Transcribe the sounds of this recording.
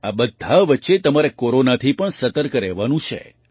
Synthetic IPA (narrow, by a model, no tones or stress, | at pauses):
abəd̪ʱːaʋətːʃet̪əmaɾekoɾonat̪ʰipəɳsət̪əɾkɾɛʋanũt͡ʃʰḛ